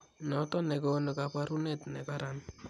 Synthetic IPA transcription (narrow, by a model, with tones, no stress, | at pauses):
nɔ˨tɔ˦nɛ˨ko˦no˨ka˨pa˦ɾu˦ne˦tnɛ˨ka˦ɾa˨n